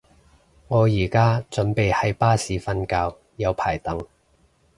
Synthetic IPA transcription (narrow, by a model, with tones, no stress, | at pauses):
ŋɔː˨˧jiː˨˩kaː˥t͡sɵ˨˥npe˨jhɐ˨˥jpaː˥siː˨˥fɐ˥nkaː˧w | jɐ˨˧wpʰaː˨˩jt̪ɐ˨˥ŋ